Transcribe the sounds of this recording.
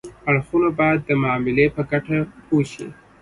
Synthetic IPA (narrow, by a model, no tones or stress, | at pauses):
aɽxunabɑjad̪ːəmɑmɪlepəɡaʈapʰoʃḭ